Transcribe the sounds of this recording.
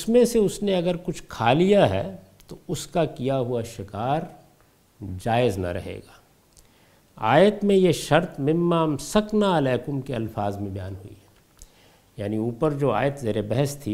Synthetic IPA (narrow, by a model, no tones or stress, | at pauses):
ʊsmẽseʊsneɐɡəɾkʊt͡ʃʰkʰaːlijaɦɛ̰ː | t̪oʊskakijaɦuaʃɪkaːɾ | d͡ʒaːɪznɐ̰ɾɐ̰ɦḛːɡaː | a̰ːjət̪mẽjeʃɐɾt̪mɪ̃mːaːmsɐknaɐlɛːkʊmkeɐlfaːzmẽbɪjaːnɦʊḭɦɛ | jaːniuːpəɾd͡ʒoːa̰ːjət̪zeːɾebɛɦəst̪ʰi